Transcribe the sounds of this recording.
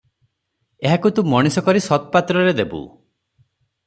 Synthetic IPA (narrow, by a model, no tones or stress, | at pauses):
eɦakut̪ũmɔɽ̃isɔkɔɾisɔt̪ɔpat̪ɾɔɾed̪ebṵ